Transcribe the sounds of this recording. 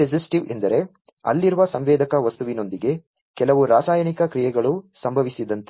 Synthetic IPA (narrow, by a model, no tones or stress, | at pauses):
ed͡ʒisʈiʋḛnd̪ɐɾe̞ | ɐ̰lːiɾuʋɐsɐmʋɛːd̪ɐkɐʋɐst̪uʋino̞nd̪iɡe̞ | kɛlɐʋuɾaːsaːjɐnikɐkɾijɛɡɐɭusɐmbʱɐʋisid̪ɐnt̪e